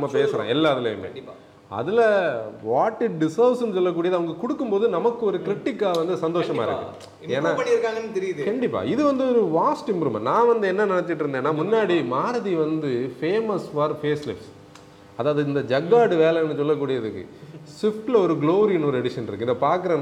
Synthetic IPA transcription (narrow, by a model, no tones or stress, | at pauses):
ɐmːɐpeːsɾã̰ːɛlːaːɐðɪlɐɐmːḛ | ɐ̰ðɪlɐʋaːʈːɯɖɪsɐʋsɯnːɯsɔlːɐk̬ːuːɽɪjɐðɯɐʋɐŋɡɐkʊɽɯkːɯmpoːðɯnɐmɐkːɯɔɾɯkɪɾɪʈːɪkːaːʋɐnd̪ɯsɐnd̪oːʂɐmaːɪɾɯ̰kːɯ̰ | eːnːaːɐniɾɯkːaːŋɡɐnːt̪ɛɾɪjɐðkɐɳɖɪpːa̰ːɪðɯʋɐnd̪ɯɔɾɯʋaːsʈɪmbɾɯmɐ̰̃nãːʋɐnd̪ɯɛnːɐnɪnɐt͡ʃːɪʈ̬ːɪɾɯnd̪eːnːaːmʊnːaːɽimaːɾɐðiʋɐnd̪ɯfeːmɐsfɐɾfeːslɪfs | ɐðaːʋɐðɯɪnd̪ɐd͡ʒɐɡaːɽɯʋeːlɛnːɯsɔlːɐk̬ːuːɽɪjɐðɯkːɯ̰sɪfʈlɐɔɾɯɡloːɾinɔɾɯɛɽɪʂɐnɪɾɯkːɪnðɐpaːɾkɯɾɐn